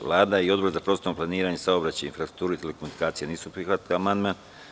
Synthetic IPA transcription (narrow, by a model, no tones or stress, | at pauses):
ʋlˠaːd̪aiod̪bo̞ɾzapɾot̪st̪oomplaniːɾaɲesaobɾat͡ɕajḭnfɾasɾu̥k̚t̪uːɾuit̪eleko̞munikaːt̪sijeniːsupɾixʋat̪kaamand̪man